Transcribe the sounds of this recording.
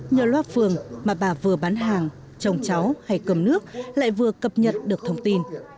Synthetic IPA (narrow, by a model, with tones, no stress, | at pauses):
ɲəː˨˧˩lwaː˦˥t̚fɨ˨˩əŋmaː˨˩ɓaː˨˩vɨ˨˩əɓaː˨˦nɦaː˨˩ŋ | t͡ɕə˧wŋ͡mt͡ɕa˨˦wha˧jkə˨˧˩mnɨ˦˥ək̚la̰ː˧˨jvɨ˨˩əkə˨˩p̚ɲə˨˩t̚ɗɨ˨˩ək̚t̪ʰə˧wŋ͡mt̪i˧n